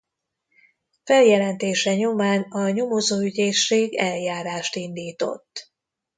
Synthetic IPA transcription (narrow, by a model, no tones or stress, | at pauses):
fɛljɛlɛnt̪eːʃɛɲo̞maːnɒɲo̞mozoːyɟeːʃːeːɡɛljaːɾaːʃt̪ind̪iːt̪o̞̰t̪ː